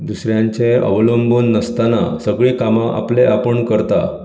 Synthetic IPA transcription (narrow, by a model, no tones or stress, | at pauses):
d̪usɾjaɲt͡ɕẽə̰ʋlombʱuːnːəst̪ana̰səɡɭiːkamaʔa̰pleʔapəɳkəɾt̪a̰